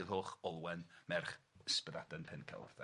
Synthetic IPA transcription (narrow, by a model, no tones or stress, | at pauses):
ɪðhoːχɔlˠwɛnmɛrχspəðadanpʰɛnkʰɛ̰lˠθɛ